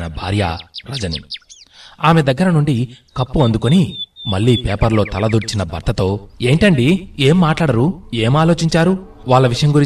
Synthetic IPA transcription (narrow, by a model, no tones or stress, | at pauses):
nɐbʱa̰ːɾja̰ɾɐd͡ʒɐnḭ | aːmed̪ɐɡːɐɾɐnuɳɖikɐpːuɐnd̪ukonimɐɭːiːpeːpɐɾlo̞ːt̪ɐlɐd̪uɾt͡ʃinɐbʱɐɾt̪ɐt̪o̞ːe̞ːɳʈɐɳɖie̞ːmːaːʈlaːɽɐɾue̞ːmaːlo̞ːt͡ʃiɲt͡ʃaːɾu | ʋaːɭːɐʋiʂɐjɐmɡuɾi